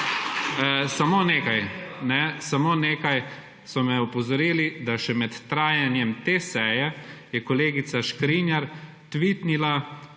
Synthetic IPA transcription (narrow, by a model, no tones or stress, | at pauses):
samoːneːkajnɛsamoːneːkaj | sɔmɛɔpɔzɔɾiːlid̪aʃɛmɛt̪ːɾaːjanjɛmt̪esɛjɛjɛkɔleːɡit̪saʃkɾinjaɾ | t̪ʋit̪nila